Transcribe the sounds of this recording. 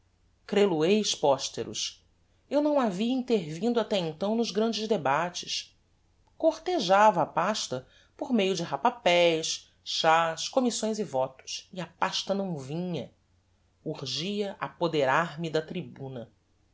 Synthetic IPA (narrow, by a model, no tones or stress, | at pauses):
kɾeluejʃpɔʃt̪eɾʔṵs | ewnɐ̃w̃aviɐĩt̪eɾvĩnd̪ʊat̪ɛẽnt̪ɐ̃w̃nʊzɡɾɐ̃nd͡ʒɪzd̪ebat͡ʃɪs | koɾt̪eʒavɐːpaʃt̪ɐ | poɾmejʊd͡ʒɪɦapapɛjs | ʃaʃkomisõj̃zɪvɔt̪ʊ̥sɪɐpaʃt̪ɐnɐ̃w̃vĩɲɐ | uɾʒiɐʔapod̪eɾaɾmɪd̪ɐt̪ɾibũnɐ